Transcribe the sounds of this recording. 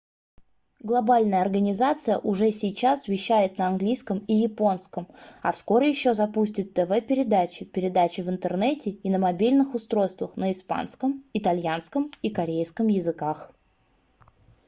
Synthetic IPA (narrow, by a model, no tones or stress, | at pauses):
ɡlˠɐbalʲnəjəɐrɡənʲɪzat̪sɨjə̰ʔʊʐɛsʲɪjt͡ɕasvʲɪɕːæjɪt̪nəɐnɡlʲijskəmijɪpo̞nskəmɐfsko̞ɾʲɪjɪɕːo̞zɐpusʲtʲɪt̪ːəvɛpʲɪɾʲɪd̪at͡ɕɪpʲɪɾʲɪd̪at͡ɕɪvɨnt̪ərnɛtʲɪɪnəmɐbʲilʲnɨxʊst̪ɾo̞jst̪vəxnəɪspa̰nskəmɪt̪ɐlʲjanskəmikɐɾʲejskəmjɪzɨkax